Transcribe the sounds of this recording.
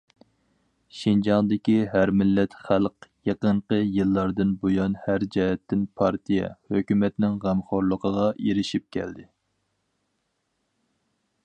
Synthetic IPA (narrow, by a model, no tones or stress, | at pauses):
ʃind͡ʒɑŋd̪ɪkʲiɦæɾmɪlːɛt̪χælqjɑqəɴqəjɨlˠːɑɾd̪ɨnbojɑnhæɾd͡ʒɛhɛt̪ːɪnpʰɑɾt̪ʰijɛ̰høkʲymɛt̪nɪŋʁæmχoɾlˠəqʰəʁɑeɾɪʃip̚kʲʰɛ̰ld̪ɪ